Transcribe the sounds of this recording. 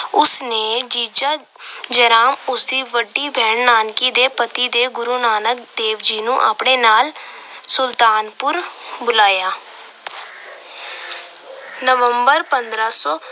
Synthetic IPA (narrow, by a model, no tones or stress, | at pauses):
ʊsneːd͡ʒiːd͡ʒaː | d͡ʒəɾaːmʊsd̪iːʋəɖːiːbʱɛːɳnaːnkiːd̪eːpət̪iːd̪eːɡʊɾuːnaːnək̚d̪eːʋd͡ʒiːnũːʔa̰ːpɽeːnaːl | sʊlt̪aːnpʊɾbʊlaːjaː | nəʋəmbəɾpənd̪ɾaːsɔː